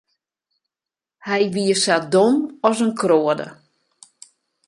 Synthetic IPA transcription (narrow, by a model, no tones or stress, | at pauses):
hɛjʋiəsat̚domɔsənkroədə̰